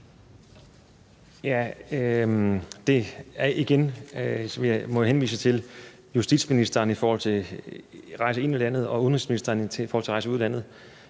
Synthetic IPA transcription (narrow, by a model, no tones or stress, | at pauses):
jæ | d̥e̝æɐʔiɡ̥en | imɒ̽jhenʋḭːsət͡sʰe̝l | jusd̥id̥sminisd̥ɐːnifɔːhɒ̽l̰t͡sʰe̝ | ʁɑ̈ɪsəe̝nilæn̰ð̞̩ˠɒ̽uðˠn̩ʁisminisd̥ɐːnʰeifɔːhɒl̰t͡s̝ʰʁɑɪsəuðˠd̥æn̰ð̩ˠ